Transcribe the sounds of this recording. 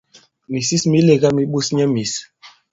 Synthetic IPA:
mi˨si˦smi˨˦le˨ɡa˦mi˨˦ɓu˦sɲɛ˦mi˨s

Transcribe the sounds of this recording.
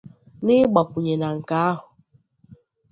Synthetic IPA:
nɪ˦ɡ͡bɔ˨kʷu˨ɲe˨na˨ŋ̩˨ka˦a˦ɦʊ˨

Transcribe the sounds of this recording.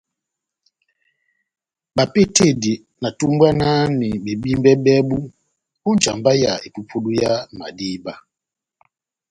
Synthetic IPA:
ba˨pe˦te˦˨di˨ | na˨tu˦m˦bwa˦na˦ni˨be˨bi˦m˦bɛ˦bɛ˦bu˦ | u˦n˨t͡ʃa̰˨mba˦ja˨e˨pu˦pʰo˦du˦ja˦ma̰˨di˦ba˦

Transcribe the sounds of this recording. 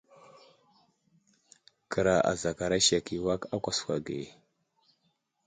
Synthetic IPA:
kə˨ɾa˨ʔa̰˨za˨ka˨ɾa˦ʃa˨ki˨wa˦ka˦kʷa˨skʷa˨ɡḛ˨

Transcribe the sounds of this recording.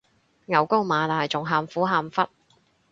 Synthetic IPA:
ŋɐ˨˧wko˥wmaː˨˧laː˨jt͡sʊ˨ŋɦaː˧mfuː˨˥ɦaː˧mfɐ˥t̚

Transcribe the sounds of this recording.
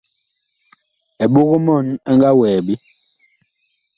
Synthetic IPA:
ɛ˨ɓu˦ɣu˦mɔ˦˨na˦ŋɡa˦wɛː˨bi˦

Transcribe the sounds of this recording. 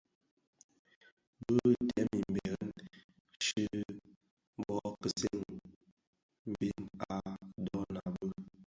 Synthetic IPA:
bə˦tɛ˦mi˨m̩˨bɛ˨˦n | ʃɨ˦ | bɔ˦kə˨se˦ŋ | m˨bi˦na̰˨dɔ˦na˨bə˦

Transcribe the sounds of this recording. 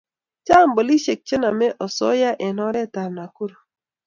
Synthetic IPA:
t͡ʃa˦˨m˦bo˨li˦ʃe˨k̚t͡ʃe˦na˨mɛ˦ʔɔ˨sɔ̰˦ja˦ʔɛ˨nɔ˦ɾɛ˦˨ta˨lna˨ku˦ɾo˨

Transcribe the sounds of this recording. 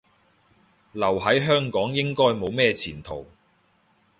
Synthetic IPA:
lɐ˨˩wɦɐ˨˥jɦœː˥ŋkɔː˨˥ŋjɪ˥ŋkɔː˥jmo˨˧wmɛː˥˧t͡sʰiː˨˩nt̪ʰo̰˨˩w

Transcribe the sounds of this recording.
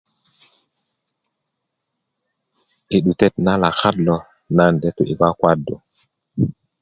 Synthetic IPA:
ʔi˨ɗu˨te˦tna˦la˨xa˦dlɔ˨ | na˦nde˦tu˨ʔi˨ba˦kwa˦dːo˨

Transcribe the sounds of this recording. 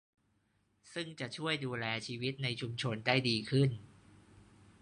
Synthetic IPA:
sɯ˥˩ŋt͡ɕa˨˩ʔt͡ɕʰu˥˩əjduː˧lɛː˧t͡ɕʰiː˧wi˦˥t̪̚na˧jt͡ɕʰu˧mt͡ɕʰo˧nda˥˩jdiː˧kʰɯ˥˩n

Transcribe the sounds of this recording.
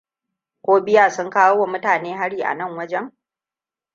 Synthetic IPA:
kʷoː˦bɪ˦jaː˨sʊ˦ŋkaː˦wo˦wa˨mʊ˦taː˨neː˦ɦa˦ɽiː˨ʔa̰˨nɐ˦˨ŋwɐ˦d͡ʒɛ˦ŋ

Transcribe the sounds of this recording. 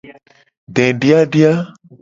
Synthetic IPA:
ɖɛ̃˨ɖi˦a˦ɖi˦a˦

